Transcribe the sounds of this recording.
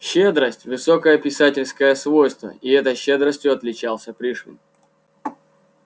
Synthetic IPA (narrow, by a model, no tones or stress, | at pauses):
ɕed̪ɾəsʲtʲvɨso̞kəjəpʲɪsatʲɪlʲskəjəsvo̞jst̪və̰ɪɛt̪əjɕːed̪ɾəsʲtʲjʊɐt̪lʲɪt͡ɕalˠsʲəpɾʲiʂnʲɨ̰m